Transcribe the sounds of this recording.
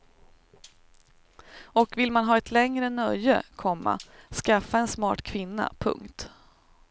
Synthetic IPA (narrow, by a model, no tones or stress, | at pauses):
ɔkvɪlmanɦɑːɛt̪ʰlɛŋɾənœjəkʰɔmːa̰skafːaɛnsmɑ̰ːʈkʰvɪnːa̰pʰɵ̰ŋkt̪